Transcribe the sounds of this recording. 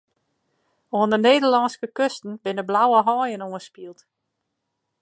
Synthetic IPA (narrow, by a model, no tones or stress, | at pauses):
oəndəneːdərlɑnskəkøstn̩bɪnəblawəɦɔːjənoənspiəlˠt